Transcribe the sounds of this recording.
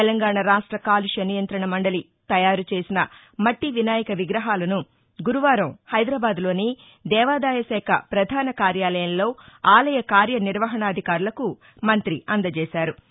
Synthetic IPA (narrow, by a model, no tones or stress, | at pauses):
ɛlɐŋɡaːɳɐɾaːʂʈɾɐkaːliʃɐnijɐnt̪ɾɐɳɐmɐɳɖɐli | t̪ɐjaːɾut͡ʃe̞ːsinɐ | mɐʈːiʋinaːjɐkɐʋiɡɾɐɦaːlɐnu | ɡuɾuʋaːɾɐ̃mhɐjd̪ɾaːbaːd̪lo̞ːni | d̪ɛːʋaːd̪aːjɐsɛːkʰɐ̰pɾɐd̪ʱaːnɐkaːɾjaːlɐjɐmlo̞ːaːlɐjɐkaːɾjɐniɾʋɐɦɐɳɐːd̪ʱikaːɾulɐku | mɐnt̪ɾiɐnd̪ɐt͡ʃeːsaːɾu